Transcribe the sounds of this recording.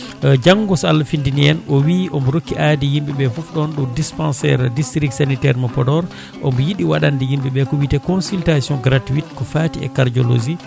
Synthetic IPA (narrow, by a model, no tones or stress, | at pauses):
d͡ʒaŋɡɔsalfindiniɛnʔɔwiʔɔmbɔɾokːiʔadihimɓɛɓɛfɔfɗɔnɗɔwdispãnsɛ̰ɾdistɾik̚sanitɛɾmɔpɔdɔɾ | ʔɔ̰mbɔjiɗiwaɗandihimɓɛɓɛkɔwitɛkɔnsiltasjɔ̃ŋɡɾatuitkɔfaːtiɛ̰kaɾd͡ʒɔlo̰d͡ʒi